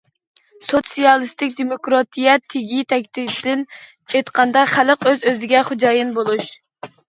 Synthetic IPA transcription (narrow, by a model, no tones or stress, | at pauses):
sot̪sijɑlˠɨst̪ɪkʲd̪emokɾɑt̪ʰijɛt̪ʰːeɡʲit̪ʰɛk̚ʲt̪id̪d̪̥ɪn | et̪qʰɑnd̪ɑχæləqøzøzɪɡʲɛχod͡ʒɑːjɨnbolˠuʃ